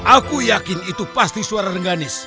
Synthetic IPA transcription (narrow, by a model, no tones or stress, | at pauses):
ʔakujakinit̪upast̪isuaɾaɾəŋɡanɪs